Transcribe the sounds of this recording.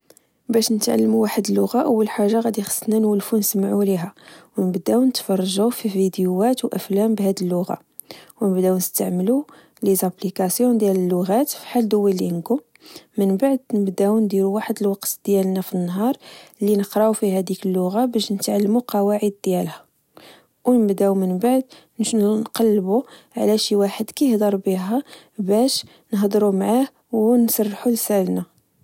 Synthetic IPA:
bæʃnət̪ʕa̰lːmuwaħəd̪əlːʊɣaʔəwːəlħaʒːaɣæd̪ixə̥sˤːnænwəlfunəsmʕuliɦæwnəbd̪æwnət̪fɑrˤːɑʒufivid̪juæt̪wʔəflæmbhæd̪əlːʊɣa̰ | wnəbd̪æwnəst̪aʕməlu | lizæplikæsjɔd̪jæləlːʊɣæt̪fi̥ħald̪ʊwilinɡu | mənbaʕd̪nəbd̪æwnd̪iɾuwaħəd̪əlwɑqt̪d̪̥jælnæfinːɦɑɾˤlinəqɾˤɑʕufihæd̪ikəlːʊɣabæʃnət̪ʕalːmuqɑwaʕəd̪̚ːjælhæ | wnəbd̪æwmənbaʕd̪̚ | nnqɑlːbu | ʕlæʃiwaħəd̪kæjəhd̪ɑɾˤbiɦæ | bæʃ | nəɦd̪ˤɾumʕah | wnsɑrˤːħulsælnæ

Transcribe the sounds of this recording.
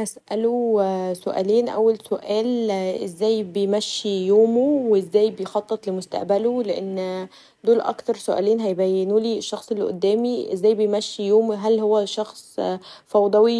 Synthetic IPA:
hæsʔælosoʔæ̰ːliːnʔæwːælsoʔæːlʔezːæːjbejmæʃːijoːmowezːæːjbejxɑt̪ˤːet̪ˤlemost̪a̰ʔbæloleʔenː | d̪oːlʔɑ̰kt̪ɑɾˤsoʔæ̰ːleːnɦæjbæjːenuːliːeʃːɑxsˤelːiʔo̰d̪ːæːmiʔḛzːæːjbejmæʃːijoːmɦælhowːæʃɑxsˤfɑwd̪ˤɑwi

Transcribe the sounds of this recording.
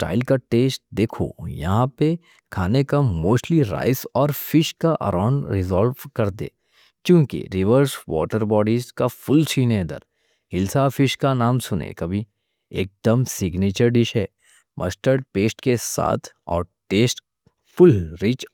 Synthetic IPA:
sʈa̰ːɪlkaʈeːsʈ̚d̪eːkʰo̰jɐ̰ɦãpe | kʰaːnekamoːsʈliɾa̰ːɪsɔːɾfɪʃkaʔɐ̰ɾãːʊ̃ɳɖɾɪzɔːlʋkɐɾd̪ḛː | kjũːkḭɾɪʋəɾswɔ̰ːʈəɾbɔːɖizkafʊlt͡ʃʰiːnẽd̪ə̰ɾ | hɪlsafɪʃkanaːmsʊnḛkɐbʱi | ḛːk̚d̪əmsɪɡniːt͡ʃəɾɖɪʃɦɛː | mʔɐ̰sʈəɾɖ̚peːsʈkesa̰ːt̪ʰɔ̰ːɾʈeːsʈ | fʊlɾiːt͡ʃ

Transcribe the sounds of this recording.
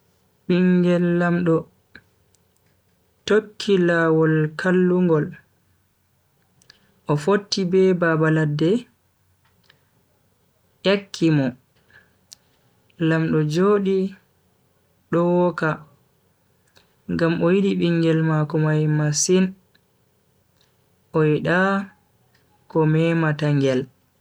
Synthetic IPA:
ɓiŋɡɛlːamɗɔ | tokʰːilawɔlkʰalːuŋɡɔl | ʔɔfotːibɛbabaladːɛ | ʔekʰːimɔ | lamɗɔd͡ʒoɗi | ɗɔwɔka | ŋɡamʔɔjiɗiɓiŋɡɛlmakɔmajmasin | ʔɔjiɗa | kɔmɛːmataŋɡɛl

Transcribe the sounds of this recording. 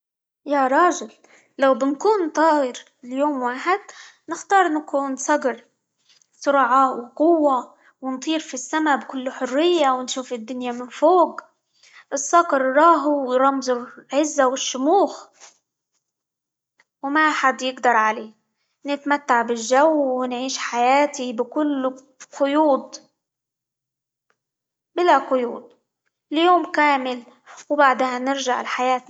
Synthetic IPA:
jaɾˤɑːʒɪl | lawbɪnkuːnt̪ˤɑːɪɾ | ɪljoːmwaːħɪd̪̚ | nɪxt̪ɑːɾˤʔnakuːnsˤɑɡɾ | sˤʊɾʕawɪqʊwːa | wɪnt̪ˤiːɾfisːamabkʊlːħʊrːɪjːawɪnʃuːfɪd̪ːʊnjamɪnfoːɡ | ʔɪsˤːɑɡɾɾˤɑːɦuwɾˤɑmzlʕɪzːawɪʃːʊmuːx | wmaħad̪jɪɡd̪ɑɾˤʕaleː | nɪt̪mat̪ːaʕbɪlʒawːɪnʕiːʃħajaːt̪ibɪkʊlː | qʊjuːd̪ | bɪlaqʊjuːd̪̚ˤ | ɪljoːmkaːmɪl | wbaʕd̪hanɪɾʒaʕɪ̰lħajaːt̪

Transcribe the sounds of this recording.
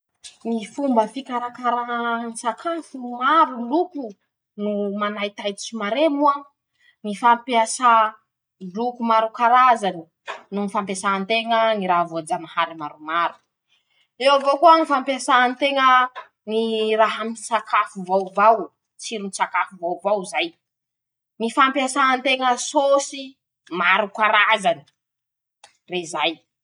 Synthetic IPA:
nifumbəfikaɾakaɾansakʰafunimaɾuluku | numanajt̪ajt̪it͡ʃimaɾemua | nifampiasa | lukumaɾukaɾazani̥ | nunifampesaant̪eŋəniɾaɦvod͡zanahaɾimaɾumaɾu̥ | ewavokuənifampiasaant̪eŋə | niraɦəmisakafuvawvaw | t͡siɾinisakafuvawvawzaj | nifampiasaant̪eŋəsosi | maɾukaɾazani̥ | rezaj

